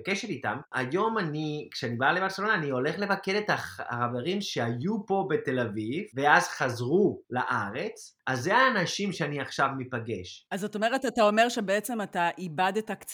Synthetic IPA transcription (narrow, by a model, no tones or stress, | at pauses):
keʃet̪ita̰ma̰jo̞manikʃeanibaleaʁselo̞naːnio̞le̞χle̞vake̞detaχχave̞ʁimʃeajupo̞be̞te̞lavivve̞azχazʁula̰ʔaʁe̞t͡sazːeaːnaʃimʃeaniaχʃavmipaɡe̞ʃazoto̞me̞ʁetatao̞me̞ʁʃe̞beet͡se̞mataʔibadetakt͡s